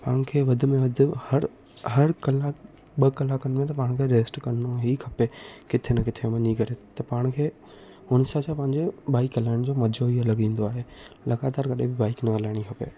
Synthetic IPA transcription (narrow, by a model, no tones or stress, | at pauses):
paːɽ̃kʰeːʋɐd̪ʱʊ̆mẽʋɐd̪ʱʊ̆hɐɾ | ɦɐɾkɐla | ɓɐkɐlakɐñmẽt̪̬ɐpaːɽ̃kʰeːɾeːsʈkɐnnoɦikʰɐpekɪt̪ʰenɐkɪt̪ʰemɐ̃ɲikɐɾet̪ɐpaːɽ̃kʰeː | ʊnɪsat͡ɕʰapɐ̃ɦɪ̃ɲd͡ʑebaːɪkɐlaːɪɽ̃d͡ʑoːmɐd͡ʑʱoiɐlɐɠĩːn̆d̪oaːɦelɐɣaːt̪aːɾkɐɗẽbɪbaːɪknɐɐlaːɪɽ̃ikʰɐpḛː